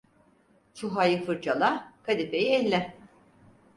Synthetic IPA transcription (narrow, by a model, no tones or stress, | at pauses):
t͡ʃʰuɦajɯfɯɾd͡ʒalˠakʰad̪ipejiɛlʲːɛ